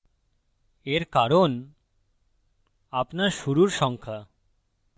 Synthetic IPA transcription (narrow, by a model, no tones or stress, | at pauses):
eɾkaɾon | apnaɾʃuɾuɾʃɔŋkʰa